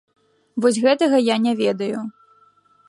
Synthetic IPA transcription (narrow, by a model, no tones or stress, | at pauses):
vɔsʲɣɛt̪ɐɣɐjanʲɛvʲɛd̪ɐju